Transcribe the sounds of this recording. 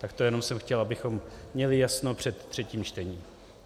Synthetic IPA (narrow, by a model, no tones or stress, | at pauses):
t̪akt̪ojɛno̞msɛmxcɛlʔabɪxo̞mːɲɛlɪjasnopr̝̥ɛt̪ːr̥ɛciːmt͡ʃt̪ɛɲiːm